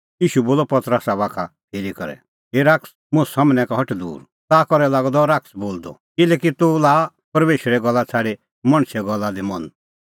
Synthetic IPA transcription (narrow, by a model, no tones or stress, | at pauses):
jiːʃuboːlɔpɐt̪ɾəsaβaːkʰap̪ʰeːɾikɔ̰ɾɛ̰ | ɦeɾaːks | mʊ̃samnɛ̃kaɦɐʈd̪ṵːɾ | t̪akɔɾɛlaːɡd̪ɔɾaːksboːld̪ɔ̰kɪlɛkit̪ulaː | pɐɾmeːʃəɾɛɡɔlːat͡sʰaːɽe | mɐ̃ɽ̃sɛɡɔlːad̪imɐn